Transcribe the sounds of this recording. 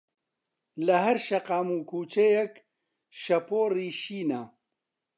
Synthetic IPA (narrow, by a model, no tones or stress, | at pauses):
lɐɦɐɾʃɐqaːmuːkʰuːt͡ʃejɛk | ʃɐpoːriːʃiːnɐ